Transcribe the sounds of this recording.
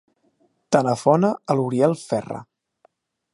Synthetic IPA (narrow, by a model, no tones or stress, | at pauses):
t̪anəfɔnəəluɾiɛlˠfɛrə̰